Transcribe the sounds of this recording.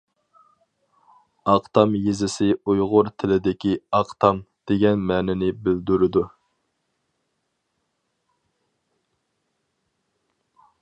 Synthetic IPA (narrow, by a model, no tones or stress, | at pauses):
ɑqt̪ɑmjezɪsɪujʁʊɾt̪ʰɪlɪd̪ɪkʲiɑqt̪ʰɑmd̪̥eɡʲɛnmɛːnɪnɪbɪld̪yɾɪd̪u